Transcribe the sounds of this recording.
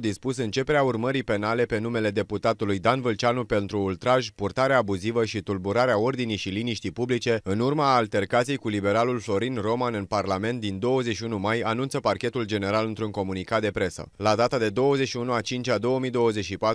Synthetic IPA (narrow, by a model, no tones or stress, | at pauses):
d̪ispusɨnt͡ʃe̞pe̞ɾeaurməɾipe̞nale̞pe̞nume̞le̞d̪e̞put̪at̪ulujd̪anvɨlt͡ʃanupe̞nt̪ɾuːlt̪ɾaʒʲpurt̪aɾeaːbuzivəʃit̪ulbuɾaɾeao̞rd̪inijʃiliniʃt̪ijpublit͡ʃe̞ɨnurmaːlt̪e̞rkat̪sijejkulibe̞ɾalulflo̞ɾinro̞manɨnparlame̞nt̪̚d̪ind̪o̞wəzeʃiunumajanunt̪səparkʲe̞t̪uld͡ʒe̞ne̞ɾalɨnt̪ɾuŋko̞munikat̪̚d̪e̞pɾe̞sə̰lad̪at̪ad̪e̞d̪o̞wəzeʃiunuat͡ʃint͡ʃad̪o̞wəmijd̪o̞wəze̞t͡ʃʃipat̪